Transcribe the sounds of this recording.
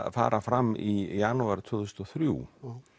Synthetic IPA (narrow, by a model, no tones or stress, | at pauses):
fa̰ːɾʔafɾamːijanuaɾ̥t̪ʰvɔːθuust̪ɔθɾjuː